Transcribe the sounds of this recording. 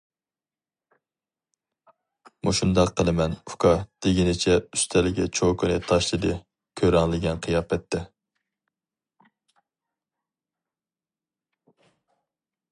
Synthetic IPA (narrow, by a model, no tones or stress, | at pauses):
muʃund̪ɑqʰːəlˠɨmɛnukʰɑd̪̥ɪɡʲinɪt͡ʃʰɛyst̪ʰɛlɪɡʲɛt͡ʃʰokɨnɨt̪ʰɑʃlˠɨd̪ɨ | kʲʰøɾɑŋlˠɪɡʲɛnqʰɨjɑːpɛt̪ʰːɛ